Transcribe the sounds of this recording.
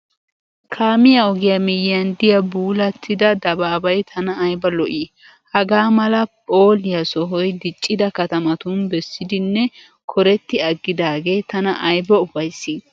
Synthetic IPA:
kʰaːmɪjɐɔɡɪjɐmɪjɪjɐnd̪ɪjɐbuːlɐt̪ʰːɪd̪ɐd̪ɐbaːbɐjt̪ʰɐnɐːjbɐlɔʔiː | hɐɡaːmɐlɐpʼoːlɪjɐsɔɦɔjd̪ɪt͡ʃʼːɪd̪ɐkɐt̪ɐmɐt̪ʊnbɛsːɪd̪ɪnːɛ | kʰɔɾɛt̪ːɪɐɡːɪd̪aːɡe̞ːt̪ɐnɐʔɐjbɐʊfɐjsːiːd

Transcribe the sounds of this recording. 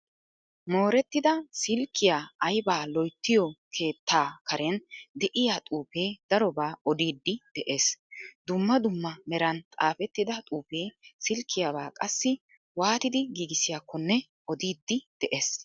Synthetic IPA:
mo̞ːɾɛt̪ːɪd̪ɐsɪlkːɪjaɐjbaːlɔjt̪ːɪjɔkʰe̞ːt̪ːaːkɐɾɛnd̪ɛʔɪjaːt̪ʼuːpe̞ːd̪ɐɾɔbaːɔd̪iːd̪ːɪd̪̥ɛʔe̞ːsd̪ʊmːɐd̪ʊmːɐmɛɾɐnt̪ʼa̰ːfɛt̪ːɪd̪ɐt̪ʼuːpe̞ːsɪlkʰːɪjabaːkʼɐsːɪ | waːt̪ɪd̪ɪɡiːɡɪsɪjakʰːɔnːɛ | ɔd̪iːd̪ːɪd̪̥ɛʔeːs

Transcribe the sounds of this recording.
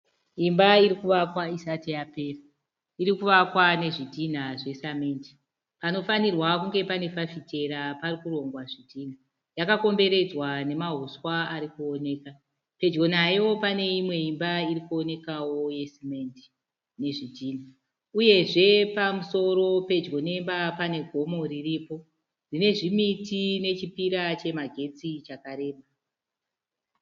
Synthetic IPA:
imbaiɾikuʋakwaisatijape̞ːra | iɾikuʋakwane̞ʐidʱin̤aʐe̞samenti̥ | pano̞fanirwakuŋɡe̞pane̞fafite̞ɾaparikuro̞ŋɡwaʐidʱiːn̤a | jakako̞mbe̞ɾe̞d͡zwane̞maɦuswaaɾikuo̞ne̞ːka | pe̞d͡ʒɡo̞najo̞pane̞imwe̞imbairikuo̞ne̞kawo̞je̞simendi̥ | ne̞ʐidʱiːna | uje̞ʐe̞pamuso̞ɾo̞pe̞d͡ʒɡo̞ne̞mbapane̞ɡʱo̞mo̞riripo̞ | rine̞ʐimitine̞t͡ʃipiɾat͡ʃe̞maɡʱe̞t͡sit͡ʃakaɾe̞ːɓa

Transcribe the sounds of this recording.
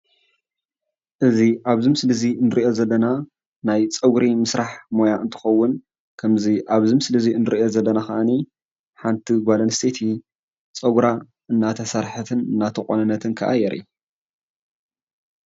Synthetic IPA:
ʔɨziʔaβzɨmsɨlɨziɨnɨɾiʔo̞zɐlːɐna | najt͡sʼɐɡɾimɨsɾaħmo̞jaʔɨnt̪ʰɨ̥xɐwːʊn | kʰɐmziʔaβzɨmsɨlɨziɨnːɨɾiʔo̞zɐlːɐnaxɐʔani | ħant̪ʰiɡʷalɐnst̪ʰet̪ʰi | t͡sʼɐɡɾa | ʔɨnːat̪ʰɐsaɾħɨt̪ʰɨnɨnːat̪ʰɨkʼonɨnːɐt̪ʰɨnkʰɐ̰ʔa̰jɛɾʔḭu

